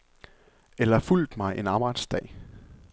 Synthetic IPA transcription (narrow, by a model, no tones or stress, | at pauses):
elɐful̰d̥mɑ̈ɪʔe̝nɑ̈ːb̥ɑ̈ɪ̰d̥sd̥ɛ̰ː